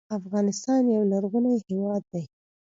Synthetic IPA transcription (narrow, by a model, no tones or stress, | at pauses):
afɣɑnɪst̪ɑnjawlaɾɣunajhewɑd̪ːaj